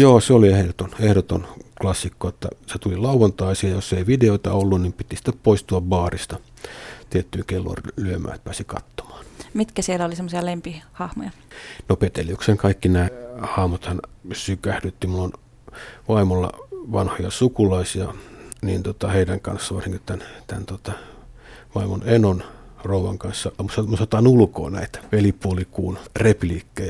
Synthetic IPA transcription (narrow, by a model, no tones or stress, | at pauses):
joːseoliehdot̪onehɾot̪onklɑsːikːoet̪ːæ̰set̪ulilɑuʋɑnt̪ɑisiɑjjosːeiʋideoit̪ɑolːunnimpit̪isi̥t̪ːeppoist̪uɑbbɑːrist̪ɑ | t̪iet̪ːyːŋkelːo̰rlyømæ̰ːt̪̚pæːsikɑ̰t̪ːo̥mɑ̥ːnmit̪kæsielːæolisemːosiɑlempihɑhmo̰jɑ | nopet̪eliukseŋkɑikːinæːhɑːmot̪hɑnsykæhdyt̪ːimuon | ʋɑimolːɑ̰ʋɑ̰nhojɑsukulɑisiɑniːnt̪ot̪ɑheidæŋkɑ̰nsːɑʋɑrsiŋkit̪t̪ænt̪ænt̪ot̪ɑ | ʋɑimonenon | rouʋɑŋkɑnsːɑmusɑmusɑt̪ɑnulko̰ːnæ̰it̪æʋelipuolikuːnrepliːkːej